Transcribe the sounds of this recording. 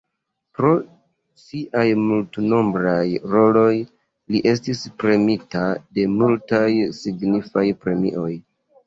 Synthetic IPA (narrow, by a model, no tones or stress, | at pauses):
pɾo̞ | siʔajmultno̞mbɾajɾo̞lo̞j | liʔe̞s̬tispɾe̞mitade̞multajsiɡnifajpɾe̞mḭʔo̞j